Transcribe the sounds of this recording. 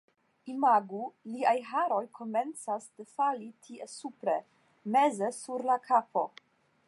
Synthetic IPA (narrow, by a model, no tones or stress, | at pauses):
imaɡuliajɦaɾo̞jkʰo̞me̞nt͡sasd̥efalitʰiesupɾe̞ | me̞ze̞suɾlakʰapo̞